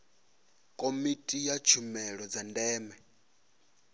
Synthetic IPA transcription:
kʼomitʼijat͡ʃʰumɛɺɔd͡zandɛːmɛ

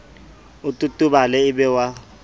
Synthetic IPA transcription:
ʊtʼutʼuɓalɛɪɓɛwa

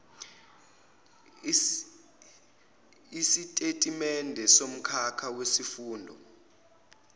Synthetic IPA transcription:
isitʼetʼimɛndʱɛsom̩kʰakʰawesifuːndʱɔ̰

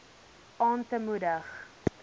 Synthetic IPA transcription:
ɑːntəmudəχ

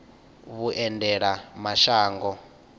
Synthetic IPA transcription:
βuʔɛndɛɺamaʃaːŋɡɔ

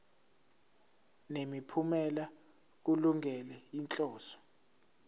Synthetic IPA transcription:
nemipʰumɛla | k̬uluŋʱɛlɛint͡ɬʼɔːsɔ̥

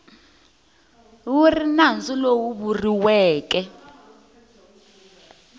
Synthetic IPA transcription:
wurinand͡zulowuβuriwɛːkɛ

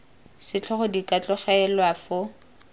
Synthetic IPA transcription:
sɪt͡ɬʰɔχɔdikʼat͡ɬʼʊχɛɛlwafʊ

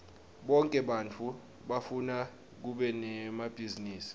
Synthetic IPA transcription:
ɓɔŋkʼɛɓant͡fʰu | ɓafuna | k̬uɓɛnɛmab̥ʱiziniːsi̥

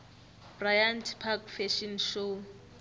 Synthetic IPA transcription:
b̥rajantʰpʰakfɛʃinʃo

